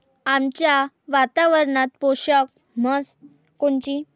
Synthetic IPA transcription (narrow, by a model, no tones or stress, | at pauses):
amt͡ɕja | ʋat̪aʋəɾɳat̪̚poɕək̚ | məs | koɳt͡ɕi